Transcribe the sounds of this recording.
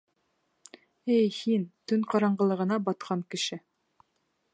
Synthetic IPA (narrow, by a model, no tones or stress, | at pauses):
ejhint̪ɵŋqɑɾɑɴɢɤ̆lˠɤ̆ʁɤ̆nɑbɑt̪̚qʰɑŋkɘ̆ʃɘ